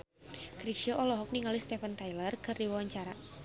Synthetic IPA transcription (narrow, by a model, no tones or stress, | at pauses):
kɾisiɔʔɔlɔɦɔk̚niŋalist̪ɛfənt̪ajlərkɨrdiwawaɲt͡ʃaɾa